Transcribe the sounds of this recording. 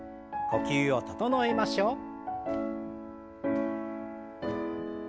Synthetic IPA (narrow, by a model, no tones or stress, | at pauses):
ko̞kʲɨːot̪ot̪onoemaɕoː